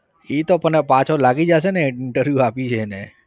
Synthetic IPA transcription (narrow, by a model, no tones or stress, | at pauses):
it̪opənepãt͡ʃʰolaɡid͡ʒaʃ̬eneɪɪɳʈəɾʋjuapit͡ʃʰene